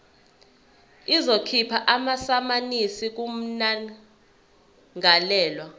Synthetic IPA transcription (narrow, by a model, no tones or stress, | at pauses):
izokʰipʰaʔamasamanisik̬um̩na | ŋalɛːlwa